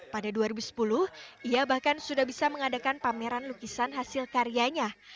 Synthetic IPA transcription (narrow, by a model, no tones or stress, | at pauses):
padaduaɾibusə̥pulʊhʔiabahkansudahbisaməŋadakanpameɾanlukisanɦasɪlkaɾiaɲa